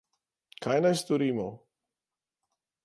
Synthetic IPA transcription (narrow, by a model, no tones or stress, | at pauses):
kʰajnajst̪oɾiːmo